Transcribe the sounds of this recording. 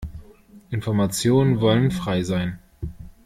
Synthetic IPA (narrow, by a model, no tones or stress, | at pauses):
ʔɪnfɔɐmat͡sjoːnənvɔlənfʁ̥aɪzaɪn